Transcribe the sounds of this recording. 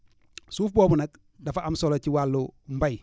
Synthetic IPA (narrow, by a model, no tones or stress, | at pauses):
suːfboːbunɐk̚ | dafaʔamsolot͡ʃiwalːom̩baj